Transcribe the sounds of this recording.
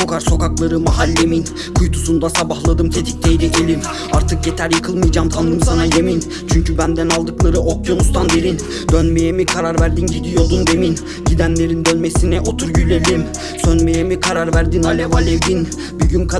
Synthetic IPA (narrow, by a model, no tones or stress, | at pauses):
okʰaɾso̞kaklˠaɾɯmaɦalʲːemin | kʰujt̪ʰusund̪asabahlˠad̪ɯmt̪ʰe̞t̪ʰi̥c̚t̪ʰejd̪icʰelʲim | aɾt̪ʰɯkjet̪ʰæɾjɯkʰɯlˠmɯjd͡ʒaːmt̪ʰand̪ɯmsanajemin | t͡ʃʰyɲcʰybænd̪ænalˠd̪ɯklˠaɾɯʔokʰjo̞nust̪ʰand̪eɾin | d̪ønmejemikʰaɾaɾvæɾd̪inɟid̪ijo̞d̪und̪e̞min | ɟid̪ænlʲe̞ɾind̪ønme̞sinɛʔo̞t̪ʰuɾjylʲelʲim | sønmejemikʰaɾaɾvæɾd̪inalʲevalʲevd̪in | byɟynkʰa